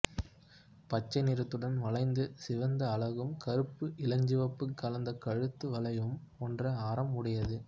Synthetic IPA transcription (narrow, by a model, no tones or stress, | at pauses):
pɐt͡ʃːɐɪnɪɾɐt̪ːɯɽɐnʋɐɭɐɪnd̪ɯsɪʋɐnd̪ɐːɭɐɣɯmkɐɾɯpːɯʔɪlɐɲd͡ʒɪʋɐpːɯkːɐlɐnd̪ɐkɐɻɯt̪ːɯʋɐɭɐjɯm | ɔndrɐaːɾɐmʊɽɐjɐðɯ